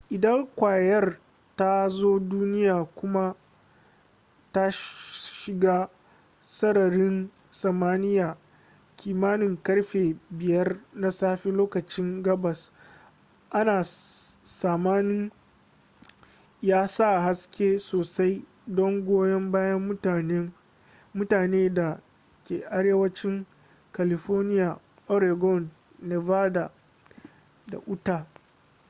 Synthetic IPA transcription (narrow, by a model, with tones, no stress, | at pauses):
ʔɪ˨dɐ˦ŋkʷaː˨jɐ˦r | ta˦zoː˦duː˦nɪ˦jaː˨kʷʊ˦ma˦ | ta˦ʃʃɪ˨ɡaː˦ | sɐ˦ɽɐ˨ɽɪ˦n | sɐ˨maː˦nɪ˦jaː˨ | kʲʰiː˨maː˦nɪ˨ŋkɐ˦ɽɸeː˨bɪ˨jɐ˦rna˦saː˦ɸe˦loː˦kɐ˨t͡ʃɪ˦ŋɡɐ˦bɐ˨s | ʔa˦naː˨saː˨maː˦nɪ˦ŋ | jaː˦sa˦˨ɦa˦skʲeː˦soː˨sa˦j | dɔ˦ŋɡʷoː˦jɐ˦mbaː˦jɐ˦m˦˨n˦ | mʊ˦taː˨neː˦da˨ | kʲeː˨ʔa˨ɽeː˦wɐ˦t͡ʃɪ˦ŋ | ka˨lɪ˨ɸoː˦rnɪ˦ja˨ | ʔɔ˦ɾe˨ɡɔ˦nː | e˨vaː˦da˨ | da̰˨ʔʊ˦taː˨